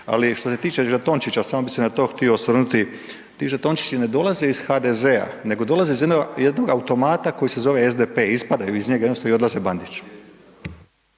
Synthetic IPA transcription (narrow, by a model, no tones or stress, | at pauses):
a̰liʃt̪o̞se̞t̪iːt͡ʃeʒat̪o̞nt͡ʃit͡ɕasamobisenat̪o̞ːxt̪iosʋr̩nut̪i | t̪iʒat̪o̞nt͡ʃi̥t͡ʃine̞d̪o̞lazeiz̥xad̪ezea̰ne̞ɡo̞d̪o̞lˠazeizj̪nojed̪no̞ɡaut̪o̞maːt̪ako̞jise̞zo̞ʋeezd̪epeispad̪aiizɲeɡajednosoio̞d̪lazeband̪it͡ʃu̥